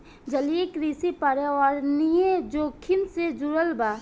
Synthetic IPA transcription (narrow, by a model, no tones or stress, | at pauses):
d͡ʒəliekɾiːsipaɾeaɾnijed͡ʒoːkʰɪnsed͡ʒuɾəlbaː